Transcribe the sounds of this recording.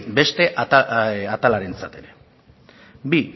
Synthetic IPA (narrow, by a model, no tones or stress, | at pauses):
be̞st̪e̞ʔ | at̪alaɾe̞nt͡sat̪e̞ɾe̞ | bi